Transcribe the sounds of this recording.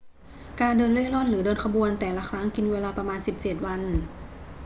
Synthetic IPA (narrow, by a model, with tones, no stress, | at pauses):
kaː˧ndɤː˧nlu˥˩˥lɔ˥˨nɾɯː˩˦dɤː˧nkʰa˧bu˧ənt̪ɛː˨˩la˦˧˥kʰɾa˦˥ŋki˧nweː˧laː˧pɾa˧maː˧nsi˨˩p̚t͡ɕeː˨˩t̪̚wa˧n